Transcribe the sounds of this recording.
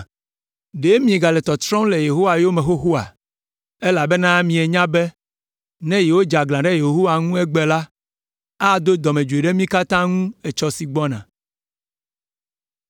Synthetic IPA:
ɖe˨˦mĩ˨˦e˨ɡa˨lɛ˨t̪ɔ˨t̪ɾɔ̃˦le˨je˨ɦo˦wa˨jo˦mɛ̃˨xo˦ɦo˦a̰˨ | e˦la˨bɛ˦nã˦mĩ˨e˨ɲã˦bɛ˦ | nɛ̃˦je˨wo˦d͡ʒa˨ɡlã˨ɖɛ˦je˨ɦo˦wa˨ŋũ˦ɛ˦ɡ͡bɛ˨la˦ | a˦d̪o˦d̪ɔ˨mẽ˨d͡ʒu˨e˨ɖe˦mĩ˦ka˦t̪ã˦ŋũ˦e˨t͡ʃɔ˦si˨ɡ͡bɔ˦nã̰˨

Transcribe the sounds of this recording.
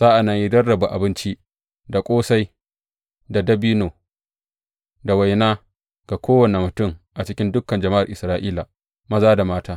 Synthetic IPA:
z̥aː˦ʔa˨na˨ji˦dɐ˦rːɐ˨ba˨ʔa̰˨bɪ˦nt͡ʃi˦ | da˨kʷʼoː˦sa˦j | da˨dɐ˦bi˦noː˨ | da˨wa˨jnaː˦ | ɡ̥a˨kʷoː˦wɐ˨ne˨mʊ˨tʊ˦ŋʔa˨t͡ʃɪ˦kʲɪ˦ndʊ˦kːɐ˨nd͡ʒɐ˨ma˦ʔa̰˨rʔɪ˨sɾaː˦ʔiː˦la˨ | mɐ˦zaː˦da˨maː˦taː˦

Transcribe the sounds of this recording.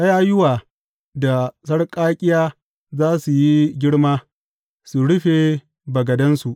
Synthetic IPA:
ʔɐ˦jaː˦jʊ˦waː˨ | da˨s̬ɐ˦ɽkʼaː˦kʲʼɪ˦jaː˦ | zaː˦su˨ji˦ɡʲɪ˦ɽmaː˦ | su˨ɽʊ˦ɸe˨ | bɐ˨ɡɐ˨dɐ˦nsu˨ʔ

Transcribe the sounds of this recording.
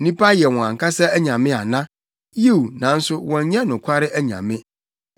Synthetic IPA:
nĩ˦pa˦jɛ˨wɔ̃˨ã˨ŋ˨kʰa˦sa˦æ˦ɲã˨mɪ̃˦a˨nã˦ | ji˦u˨nã˨n̩˦sʊ˦wɔ̃˨ɲ˦ɲɛ̃˦nʊ̃˨kʷʰa˦ɾɪ˦ʔæ˦ɲã̰˨mɪ̃˦

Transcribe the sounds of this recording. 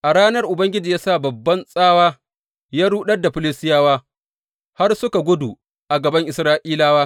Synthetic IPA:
ʔa˨ɽaː˦nɐ˦rʔʊ˨bɐ˦ŋɡʲɪ˦d͡ʒiː˨jaː˦saː˦˨bɐ˨bːɐ˦nsʼaː˦waː˦ | jaː˦ɽuː˦ɗɐ˦rda˨ɸɪ˨lɪ˦stɪ˦jaː˦waː˦ | ha˦rsʊ˦ka˨ɡʷʊ˦du˨ | ʔa˨ɡɐ˨bɐ˦ŋʔɪ˨sɾaː˦ʔiː˦laː˦waː˦

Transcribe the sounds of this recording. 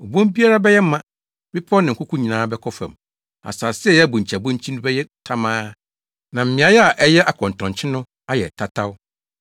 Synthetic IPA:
o˨bõ˦mbi˦a˦ɾa˦bɛ˦jɛ˦mːã˨ | bɪ˦pʰɔ˦nɪ̃˨kʰʷʊ˦kʰʊ̃˦ɲĩ˨nãː˦bɛ˦kʰɔ˦fã̰˨m | a̰˨saː˨sɪ˦ɛ˦jɛ˦æ˦bũ˨ɲ̩˨t͡ɕʰa˨bõ˦ɲ˦t͡ɕʰĩ˦nʊ̃˦bɛ˦jɛ˦tʰa˦mãː˦ | nã˨m̩˨mɪ̃˨a˨jɛ˦a˨ʔɛ˦jɛ˦ʔa˨kʰɔ̃˨n˨tʰɔ̃˨nt͡ɕʰɪ˦nʊ̃˦ | a˦jɛ̰˨tʰa˦tʰa˦wʊ˦

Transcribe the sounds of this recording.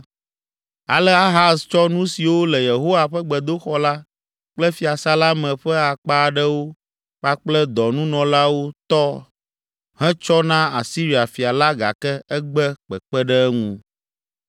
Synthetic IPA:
a̰˨lɛ˦a˦ɦa˦st͡ʃɔ˦nũ˦si˨wo˦lɛ˨je˨ɦo˦wa˨ɸɛ˦ɡ͡bɛ˨d̪o˦xɔ˦la˦ | k͡plɛ˦fi˨a˨sa˦la˦mɛ̃˨ɸɛ˦a˨k͡pa˦˨ɖɛ˦wo˦ | ɸa˦k͡plɛ˦d̪ɔ˨nũ˦nɔ̃˨la˦wo˦t̪ɔ˦ | ɦɛ̃˦t͡ʃɔ˦nã˦a̰˨si˦ɾi˨a˨fi˨a˨la˦ɡa̰˨kɛ˦ɛ˦ɡ͡bɛ˦k͡pɛ˨k͡pɛ˦ɖɛ˦ɛ˦ŋṵ̃˦

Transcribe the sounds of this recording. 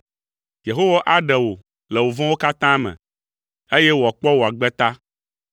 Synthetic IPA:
je˨ɦo˦wa˦ʔa˦ɖɛ˨wo˨ | lɛ˨wo˨vɔ̃˦wo˦ka˦t̪ã˦mɛ̰̃˨ | e˦jɛ˦wo˨a˨k͡pɔ˦wo˨a˨ɡ͡bɛ˦t̪a˦

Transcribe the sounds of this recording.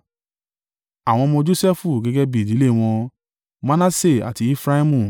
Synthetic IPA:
a˨w̃ɔ̃˧mɔ̃˧d͡ʒo˦sɛ˦fu˦˨ɡɛ˦ɡɛ˦bi˦˨di˨˦le˦˨w̃ɔ̃˧ | mã˦na˦se˦˨a̰˨ti˧˦i˦fɾa˦i˦mũ˧˨

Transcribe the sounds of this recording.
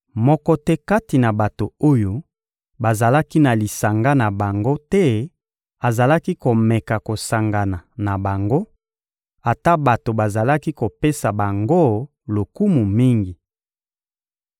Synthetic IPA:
mɔ˦kɔ˦tɛ˦ka˦ti˨na˨ba˨to˨o˦jo˦ | ba˨za˨la˦ki˦na˨li˨sa˨ŋɡa˦na˨ba˨ŋɡo˦tɛ˦ | a˨za˨la˦ki˦ko˨mɛ˨ka˨ko˨sa˨ŋɡa˨na˨na˨ba˨ŋɡo˦ | a˨ta˦ba˨to˨ba˨za˨la˦ki˦ko˨pe˦sa˨ba˨ŋɡo˦ | lo˨ku˦mu˨mi˦ŋɡi˨

